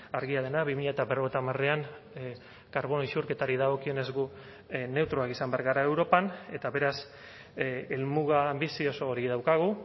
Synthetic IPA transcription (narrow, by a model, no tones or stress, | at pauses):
aɾɣiað̞e̞naβimiʎat̪aβeroβ̞et̪amareaŋ | kaɾβo̞noisuɾke̞t̪aɾið̞aɣ̞o̞kio̞ne̞zɣu | ne̞wt̪ɾoakisambe̞aɾɣaɾae̞wɾo̞pane̞t̪aβe̞ɾas | elmuɣ̞aːmbisio̞soːɾiðawkaɣ̞u